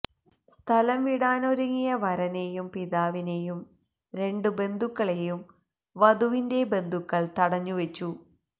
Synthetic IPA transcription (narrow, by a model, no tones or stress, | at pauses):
st̪ʰɐlɐmʋiɽaːnoɾɐŋːijɐʋɐɾɐne̞jumpiðaːʋine̞jum | ɾe̞ɳɖɨbe̞nd̪ʱukːɐɭejum | ʋɐd̪uʋinde̞be̞nd̪ʱukːɐɭt̪ɐɽɐɲːuʋet͡ɕːu